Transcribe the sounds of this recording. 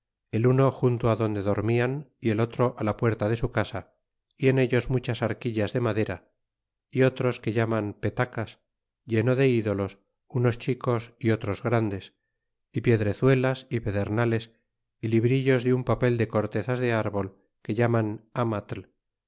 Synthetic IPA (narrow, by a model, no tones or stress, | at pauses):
e̞luno̞xunt̪oaðo̞nd̪e̞ðo̞ɾmianie̞lo̞t̪ɾo̞ʔalapwe̞ɾt̪að̞e̞sukasa | ie̞ne̞ʎo̞zmut͡ʃasaɾkiʎazðe̞maðe̞ɾa | io̞t̪ɾo̞ske̞ʎamampe̞t̪akas | ʝe̞no̞ðe̞iðo̞lo̞s | uno̞st͡ʃiko̞sio̞t̪ɾo̞zɣɾand̪e̞s | ipje̞ðɾe̞θwe̞lasiβe̞ðe̞ɾnale̞s | iliβɾiʎo̞zðeumpape̞ld̪e̞ko̞ɾt̪e̞θazðe̞aɾβo̞l | ke̞ʎamanamat̪l